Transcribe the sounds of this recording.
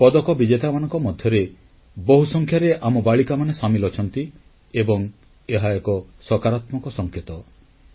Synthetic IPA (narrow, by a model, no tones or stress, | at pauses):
pɔd̪ɔkɔbid͡ʒet̪amanɔŋkɔmɔd̪ʱjɔɾe | boɦusɔŋkʰjaɾeʔamɔbaɭikamanesamilɔt͡ʃʰɔnt̪i | ebɔŋ | eɦaekɔsɔkaɾat̪mɔŋkɔsɔŋkʰet̪ɔ